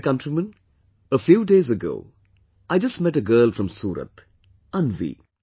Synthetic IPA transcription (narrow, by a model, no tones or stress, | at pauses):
kʌ̃ntɾimə̃n | əfjuːɖeːzəɡo̰ː | ʔaɪd͡ʒʌstmɛʈəɡɜːlfɾʌ̃msuːɾə̰t̪ | ʌ̃nʋḭː